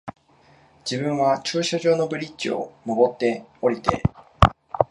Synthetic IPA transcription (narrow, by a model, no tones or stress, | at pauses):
d͡ʑibɯ̟̃ɰ̃βat͡ɕɨːɕoʑo̞ːno̞bɯ̟ɾʲit͡ɕio̞̰mo̞bo̞t̪ːe̞o̞ɾʲit̪e̞̰